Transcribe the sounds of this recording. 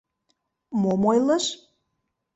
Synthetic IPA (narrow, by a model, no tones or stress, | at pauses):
momojləʃ